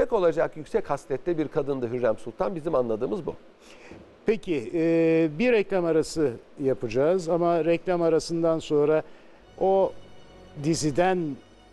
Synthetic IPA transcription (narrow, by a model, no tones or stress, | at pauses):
ɛko̞lˠad͡ʒakjycʲsɛchast̪ʰɛt̪ːɛbiɾkʰad̪ɯnd̪ɯɦyɾːæmsulˠt̪ʰanbizimanlˠad̪ɯːmɯzbṵ | pʰecʰɪɛbiɾɛclʲamaɾasɯ | japɯd͡ʒaːzamaɾɛclʲamaɾasɯnd̪anso̞nɾa | o | d̪izid̪æn